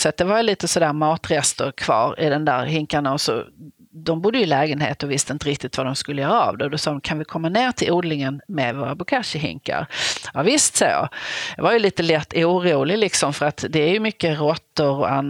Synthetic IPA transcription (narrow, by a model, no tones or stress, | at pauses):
sat̪̚d̪ɛvaɾjliːt̪əsɔd̪æːɾmɑːt̪ɾɛst̪əɾkʰv̥ɑ̰ːɾɪ̰d̪ɛnd̪æːɾhɪŋkaɳaɔsɔ̰ | d̪ɔmbʊd̪ːəjɵɪlɛːɡənhḛːt̪ɔvɪst̪əɪnt̪əɾɪk̚t̪ɪt̪vad̪ɔmskɵlːəjœːɾaa̰vd̪ɛd̪ɔsɑːd̪ɔmkʰanvɪkʰɔmːaneːɾt̪ʰɪlʔuːd̪lɪŋənmɛvoːɾabʊkʰaʂəɦɪ̰ŋka̰ɾjɑvɪst̪so̰jɑ̰j̪ɑvaɾjɵliːt̪əlɛt̪ːuːɾuːlɪlɪksɔmfœɾat̪d̪ɛːɾjɵmʏkːəɾɔt̪ːəɾɔ̰a̰nː